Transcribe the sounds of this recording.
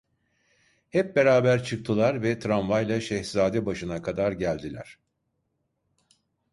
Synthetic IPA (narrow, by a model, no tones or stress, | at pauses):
hɛp̚be̞ɾaːbæɾt͡ʃʰɯk̚t̪ʰɯlˠaɾvɛt̪ʰɾanvajlˠaʃɛçz̥aːd̪ɛbaʃɯnakʰad̪aɾɟælʲd̪ilʲæ̰ɾ̥